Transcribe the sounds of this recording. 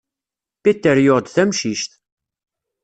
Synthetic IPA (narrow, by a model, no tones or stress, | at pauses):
pit̪ːəɾjoʁd̪θæmʃiʃt̪